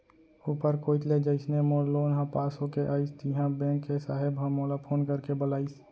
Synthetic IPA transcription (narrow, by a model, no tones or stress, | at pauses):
upəɾkoːit̪led͡ʒəɪsnemoːlːoːnɦãpaːsõkeʔaːɪst̪iɦãbɛ̃ŋkːesaːɦɪbɦãmoːlapʰoːnkəɾkebəlaːɪs